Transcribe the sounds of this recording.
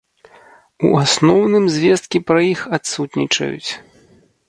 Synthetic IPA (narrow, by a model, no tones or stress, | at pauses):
ṵasnɔwnɨmzʲvʲɛst̪kʲipɾɐjixat̪sut̪nʲḭt͡ʂɐ̰jṵt͡sʲ